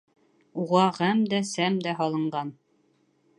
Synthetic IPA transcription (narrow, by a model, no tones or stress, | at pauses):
uʁɑʁæmd̪æsæmd̪æɦɑlˠɤ̆ɴɢɑn